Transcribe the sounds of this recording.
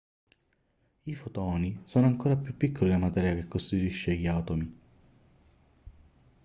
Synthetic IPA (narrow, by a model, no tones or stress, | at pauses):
ifot̪ɔːnisoːnoaŋkoːɾapjupːikʰːolilamat̪ɛːɾjakekːost̪it̪iʃːejaːt̪omi